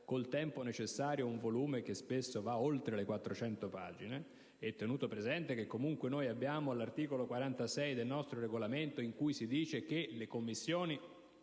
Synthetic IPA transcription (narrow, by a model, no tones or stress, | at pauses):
kolt̪ɛmponet͡ʃesːaːɾjouɱvoluːmek̟espesːovaolt̪ɾelekwat̪ːɾot͡ʃɛnt̪opaːd͡ʒine | ɛt̪ːenuːt̪opɾezɛnt̪ek̟ekːomuŋkwenoːjabːjaːmoalart̪iːkolokwaɾant̪asɛjd̪elnɔst̪ɾoɾeɡolament̪oiŋkujsid̪iːt͡ʃek̟elekomːisːjoːni